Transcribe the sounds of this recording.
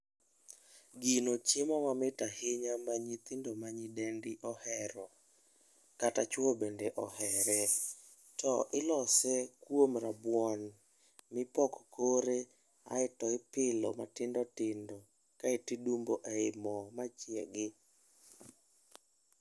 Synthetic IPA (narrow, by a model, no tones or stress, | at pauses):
ɡinot͡ʃemɔmamɪtahɪɲamaɲit̪ɪndɔmaɲɪdɛndɪʔɔhɛɾɔ | katat͡ʃwobendɛʔɔhɛɾɛ | tɔʔɪlɔsɛkwomɾabwɔn | mɪpɔkkoɾe | a̰ɪtɔɪpɪlɔmatɪndɔtɪndɔ | kaɪtidumboʔeɪmɔmat͡ʃjɛɡɪ